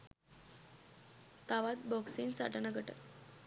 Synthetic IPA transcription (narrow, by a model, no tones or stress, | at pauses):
t̪aʋat̪̚bɔksiːnsa̰ʈənaɡʱəʈə̰t